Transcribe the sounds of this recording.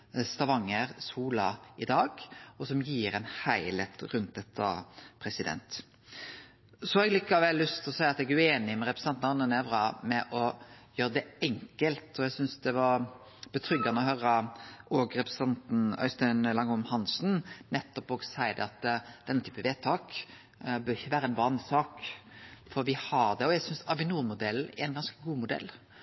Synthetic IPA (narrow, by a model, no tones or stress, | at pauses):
st̪ɑʋɑŋːəɾsuːlɑɪd̪ɑːɡɔsɔmjiːɾɛnhæɪlet̪ɾʉnt̪̚d̪ɛt̪ʰːɑ̰pʰɾɛsɪd̪ɛ̰nt̪ | sɔɑɛɡlɪkːɑʋɛlːʏst̪ʰɪlɔsæɪɑt̪ɛɡæʉeːnɪmɛɾɛpɾəsɑnt̪nɑnənɛʋɾɑmɛʔɔjøːɾəd̪ɛɛŋkəlt̪ʰɔɛɡsʏnsd̪ɛʋɑɾ | b̥ət̪ʰɾʏɡɑnəɔhœɾəɔɡɾɛpɾəsɛnt̪n̩œ̰ʏst̪œnlɑŋʊmhɑnsn̩nɛt̪ːɔpɔːɡsæɪd̪ə̰ɑt̪d̪̥ɛnːət̪ʰy̥ːpəʋeːt̪ʰɑːk | bœːɾɪçːəʋæːɾəɛnʋɑnsɑːk | fɔɾʋɪhɑɾd̪ɛɔæɡsʏnsɑʋɪnuːəmʊd̪ɛlːɛ̰ɛɪnɡɑnskəɡuːmʊd̪ɛ̰lː